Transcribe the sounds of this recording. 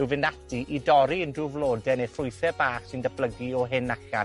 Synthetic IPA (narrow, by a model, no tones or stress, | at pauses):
ɪvɪnatʰiʔidɔɾiəndruvlˠoːdɛnefrʊɨθɛbaːχsɪndəb̥ləɡiɔɦɪnaka̰